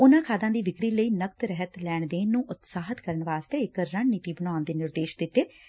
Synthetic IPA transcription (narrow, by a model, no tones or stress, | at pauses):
ʊnãːkʰaːd̪ãːd̪iːʋɪkɾiːləiːnək̚t̪ɾɛɦət̪lɛːɳd̪eːnũːʔʊt̪saːɦət̪kəɾəɳʋaːst̪eːɪkɾəɳniːt̪iːbənaːnd̪eːnɪɾd̪eːʃd̪ɪt̪ːeː